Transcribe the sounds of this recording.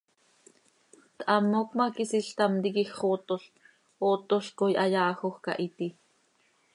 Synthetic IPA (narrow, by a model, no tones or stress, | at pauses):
t̪ʔɑmːokmɑkisiɬt̪ɑmt̪ikixχot̪oɬ | ot̪oɬkojʔɑjɑːxoxkɑ̰ʔit̪i